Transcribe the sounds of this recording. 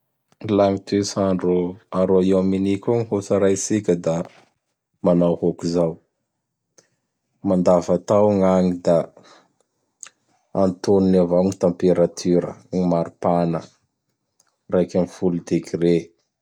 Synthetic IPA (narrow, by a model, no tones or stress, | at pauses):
laŋit̪esaɳɖ͡ʐoaɾoiwaminikʲuŋihut͡saɾasikʲəd̪a | manawhokizaw | mand̪avat̪awŋaŋid̪a | ant̪oninavaŋit̪ãmpeɾat̪ʰyɾə̰ŋimaɾupanə̰ | rajkʲamifulud̪ekire